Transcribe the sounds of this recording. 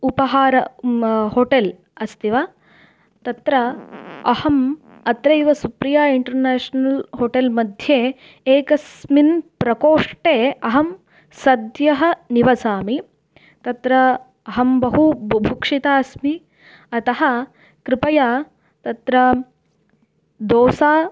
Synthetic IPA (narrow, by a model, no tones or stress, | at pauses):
upɐɦaːɾɐhoːʈel | ɐst̪iʋɐ | t̪ɐt̪ɾɐɐhɐm | ɐt̪ɾɐiʋɐsupɾijaːiɳʈɐɾneːʂnɐlhoːʈelmɐd̪ʱjeː | eːkɐsminpɾɐkoːʂʈeːɐɦɐm | sɐd̪jɐɦɐ̆niʋɐsaːmi | t̪ɐt̪ɾɐ | ɐɦɐmbɐɦubʱukʂit̪aːsmi | ɐt̪ɐɦɐ̆ | kɾɪpɐjaː | t̪ɐt̪ɾɐ | d̪oːsaː